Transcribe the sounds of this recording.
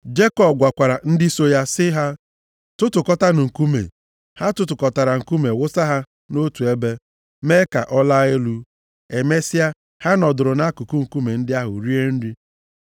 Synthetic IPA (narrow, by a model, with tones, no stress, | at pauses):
d͡ʒe˦kɔ˦˨b̚ɡʷa˨kʷa˨ɾa˨n̩˦dɪ˦so˦ja˦sɪ˦ɦa˦ | tʊ˦tʊ˨kɔ˦ta˦nʊ˨ŋ̩˨ku˦mḛ˨ | ha˦tʊ˦tʊ˨kɔ˨ta˨ɾa˨ŋ̩˨ku˦me˨wʊ˦sa˦ɦa˦ | no˦tu˨e˦be˦ | me˦ka̰˨ʔɔ˦la˦e˦lu˦ | e˨me˦sɪ˦a˦ | ha˦nɔ˨dʊ˨ɾʊ˨na˦ku˨ku˦ŋ̩˨ku˦me˨n̩˦dɪ˦a˦ɦʊ̰˨ɾi˦e˦n̩˦ɾi˦